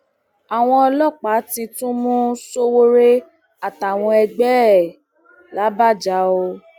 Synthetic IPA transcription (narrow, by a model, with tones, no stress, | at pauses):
a˨w̃ɔ̃˧ɔ˧lɔ˦˨k͡pa˨˦tĩ˧tũ˦mũ˦so˦wo˦ɾe˦ | a˨ta˨w̃ɔ̃˧ɛ˧ɡ͡bɛ˦˨ | la˨˦ba˦˨d͡ʒa˨˦o˧